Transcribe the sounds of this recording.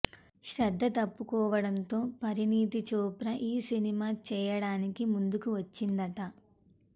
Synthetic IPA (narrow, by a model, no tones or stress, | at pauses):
ʃɾɐd̪ʱːɐt̪ɐpːukɔːʋɐɽɐnt̪oːpɐɾiniːt̪it͡ʃɔːpɾɐʔiːsinimaːt͡ʃɛːjɐɽaːnikimund̪ukuʋɐt͡ʃːind̪ɐʈɐ